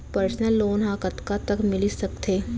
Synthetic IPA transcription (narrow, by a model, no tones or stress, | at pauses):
pɐɾsnəlːoːnɦãkɐt̪kat̪ɐkmɪlisɐkt̪ʰeː